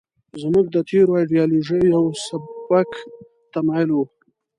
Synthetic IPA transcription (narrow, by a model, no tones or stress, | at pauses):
zmuɡ̚d̪ət̪ʰeɾoajɖijɑloʒəjawsabak | t̪amɑjɪlwu